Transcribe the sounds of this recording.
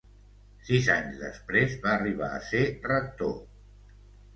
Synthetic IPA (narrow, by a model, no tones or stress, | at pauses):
sizaɲzðə̰spɾezβaəriβ̞a̰ə̰serək̚t̪o